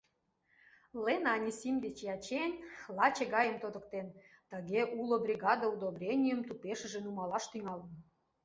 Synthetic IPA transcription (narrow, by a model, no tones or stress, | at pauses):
lenɑnʲisimd̪et͡ɕjɑt͡ɕenlɑt͡ɕeɣɑjəmt̪od̪ə̆k̚t̪en | t̪əɣeʔulobrʲiɣɑd̪əud̪obrʲenʲijəmt̪upeʃə̆ʒĕnumɑlɑʃt̪yŋɑlə̆n